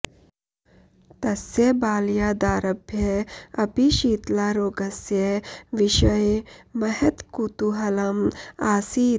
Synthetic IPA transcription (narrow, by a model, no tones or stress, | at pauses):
t̪ɐsjebaːljad̪aːɾɐbʱjeɐpiʃiːt̪laɾoːɡɐsjeʋiʃɐjmɐɦet̪kut̪uɦɐlɐmaːsiː